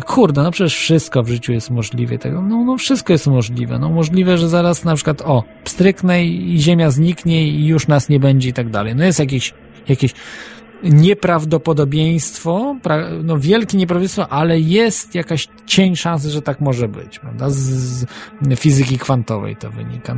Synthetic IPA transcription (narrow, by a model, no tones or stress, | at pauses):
kʰuɾd̪ɛnɔpʂɛt͡ɕɛʂfʂɘst̪̚kɔvʐɘt͡ɕujɛst̪mɔʐlʲivɛ̰t̪ɛɡɔnɔnɔfʂɘst̪̚kɔjɛst̪mɔʐlʲivɛ̰nɔmɔʐlʲivɛʐɛzaɾasnapʂɘkwat̪ɔ | pst̪ɾɘk̪nɛiiʑemʲjazɲikɲɛijuʂnasɲɛbɛɲd͡ʑɛit̪aɡ̚d̪a̰lɛjnɔjɛst̪jak̬ʲeɕ | jakʲeɕ | ɲɛpɾavd̪ɔpɔd̪ɔbʲjej̃st̪fɔpɾanɔvʲjɛlkʲiɲɛp̬ɾavbd̪ẽjst̪fɔʔalɛjɛst̪jakaɕ | t͡ɕɛɲʂãs̬ɛʐɛt̪akmɔʐɛbɘ̰t͡ɕpɾavd̪az | fʲizɘkʲikfant̪ɔvɛ̰jt̪ɔ̰vɘ̰ɲḭka